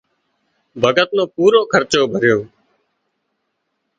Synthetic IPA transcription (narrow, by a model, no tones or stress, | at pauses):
bʱəɡət̪nõːpuːɾoːkʰəɾt͡ʃoːbʱəɾjoː